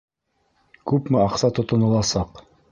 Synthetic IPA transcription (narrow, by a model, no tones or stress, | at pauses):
kʉpmɘɑqsɑt̪ŏt̪ŏnɤ̆lˠɑsɑq